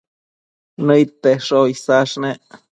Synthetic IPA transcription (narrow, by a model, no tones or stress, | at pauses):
nəjt̪ːeʂoisaʂne